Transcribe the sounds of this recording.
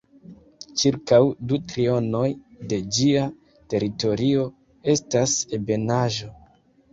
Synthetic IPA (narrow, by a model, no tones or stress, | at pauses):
t͡ʃiɾkawdutɾio̞no̞jde̞d͡ʒia | te̞ɾito̞ɾio̞ | e̞stasebe̞naʒo̞